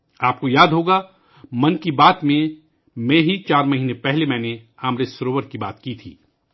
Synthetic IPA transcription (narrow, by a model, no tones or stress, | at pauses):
aːp̚kojaːd̪ɦoːɡa | mɐnkibaːt̪mẽ | mɛ̃ːɦit͡ʃaːɾmɐɦiːnẽpɛɦlemɛ̃ːne | aːmɾesɾoːʋəɾkiba̰ːt̪kit̪ʰḭː